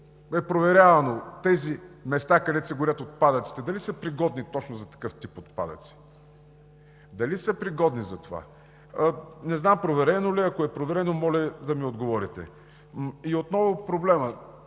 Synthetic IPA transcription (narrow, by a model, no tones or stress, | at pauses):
ɛpɾovɛɾʲavɐnot̪ɛzimɛst̪akɐd̪ɛsɛɡʊɾʲət̪ot̪̚pad̪ət̪si̥t̪ɛd̪ɐlisəpɾiɡɔd̪nit̪ɔt͡ʃnozɐt̪ɐ̥kɤft̪ipot̪̚pa̰d̪ə̰t̪si̥ | d̪ɐlisəpɾiɡɔd̪nizɐt̪ova̰ | nɛznampɾovɛɾɛnoliɐkoɛpɾovɛɾɛnomɔlɛd̪ɐmiod̪ɡovɔɾit̪ɛ̰ | iot̪nɔvʊpɾoblɛmə